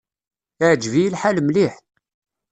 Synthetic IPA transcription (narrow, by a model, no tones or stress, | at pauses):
ʕd͡ʒvijəlħalmliħ